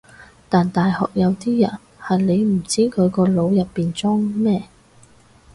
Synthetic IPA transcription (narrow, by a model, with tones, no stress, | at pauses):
t̪aː˨nt̪aː˨jhɔ̰ː˨k̚jɐ˨˧wt̪iː˥jɐ̰˨˩n | hɐ˨jle˨˧jm̩˨˩t͡siː˥kʰɵ˨˧ɥkɔː˧lo˨˧wjɐ˨pːiː˨nt͡sɔ˥ŋmɛː˥